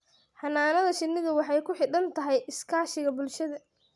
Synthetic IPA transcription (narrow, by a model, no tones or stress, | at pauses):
ħɑnːaːnɐðɐʃɪnːɪðɐwɑħɑjkʰʊħɪɖɐnt̪ʰɐɦɛjʔɪskʰaːʃɪɣɐbʊlʃɐðɐ